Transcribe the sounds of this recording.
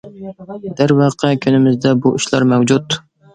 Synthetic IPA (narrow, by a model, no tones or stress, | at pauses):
d̪̥æɾwɑχqʰɑkʲʰynɪmɪzd̪ɛbuʔyʃlˠɑ̰ɾmɛwd͡ʒut̪